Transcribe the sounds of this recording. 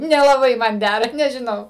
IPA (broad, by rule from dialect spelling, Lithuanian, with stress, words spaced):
nʲɛlˠɐˈbɐɪ ˈmɐn ˈdʲærɐ nʲɛʒʲɪˈnɐʊ